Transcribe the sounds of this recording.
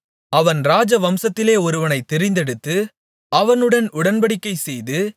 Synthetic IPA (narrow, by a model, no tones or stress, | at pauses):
ɐʋɐnɾaːd͡ʒɐʋɐmsɐt̪ːɪleːɔɾɯʋɐnɐɪt̪ːɛɾɪnd̪ɛɽɯt̪ːɯ | ɐʋɐnɯɽɐnʊɽɐnbɐɽɪkːɐɪsɛjðɯ